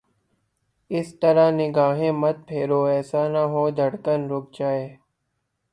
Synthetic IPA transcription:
ɪst̪əɾaːnɪɡaːɦẽːmət̪̚pʰeːɾoːɛːsaːnaɦoːd̪ʱəɽkənɾoːk̚d͡ʒaːeː

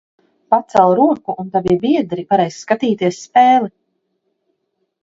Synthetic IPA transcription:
pat̪sɛlˠɾuɔkuʔːnt̪avibiɛd̪ɾipaɾɛjsskat̪iːt̪iɛsːpɛːlˠi

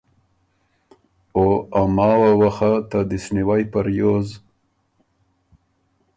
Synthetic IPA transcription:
oamɑːwawaxat̪ad̪ɪsniwajpaɾjoz

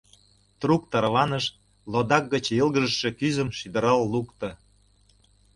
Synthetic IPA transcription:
t̪ruk̚t̪ɑɾβɑnəʃ | lod̪ɑk̚ɡə̆t͡ɕəlɣə̆ʒəʃːĕkyzə̆mʃid̪əɾɑlːukt̪ə̆

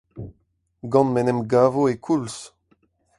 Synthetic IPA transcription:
ɡɑ̃nmɛnɛmɡaːvoekʰuls

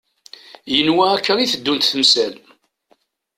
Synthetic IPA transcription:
jənwæækʰːəɾˤiθəd̪ːunt̪θəmsæl

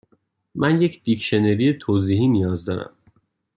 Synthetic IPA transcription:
mʔænje̞cʰd̪̥icʰʃeneɾijet̪ʰoːziːɦiːnijɒːzd̪ɒːɾæ̰m

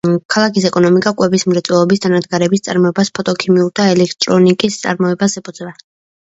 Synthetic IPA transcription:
kʰalˠakisɛkʼɔnɔmikʼakʼwɛbismɾɛt̪sʼwɛlˠɔbisd̪ʰanad̪ɡaɾɛbist̪sʼaɾmɔɛbaspʰɔt̪ʼɔkʰimiuɾt̪ʰaɛlɛk̚ʰt̪ʼɾɔnikʼist̪sʼa̰ɾmɔɛbasɛpʰʼɔd̪zvɛ

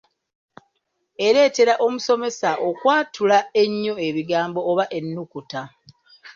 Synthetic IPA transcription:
e̞ɾe̞ːte̞ɾaʔo̞muso̞me̞saʔokwaːtulae̞ɲːo̞e̞βiɡaːmbo̞ːβaʔe̞nːukuta

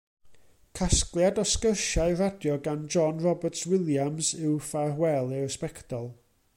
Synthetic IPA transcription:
kʰasklˠjadɔskərʃaɨradjɔɡand͡ʒɔnrɔbərtʰswɪlˠjamsɪwfahwɛlˠɨwspɛktʰɔlˠ

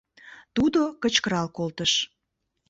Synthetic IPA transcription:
t̪ud̪okət͡ɕkəɾɑlkolt̪əʃ

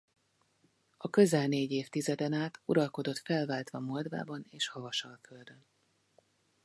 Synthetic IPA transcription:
ɒkø̞zɛlneːɟeːft̪izɛd̪ɛnaːt̪uɾɒlko̞d̪o̞t̪fɛlvaːlt̪ʋɒmo̞ld̪va̰ːbɒneːʃhɒvɒʃɒlkøld̪øn

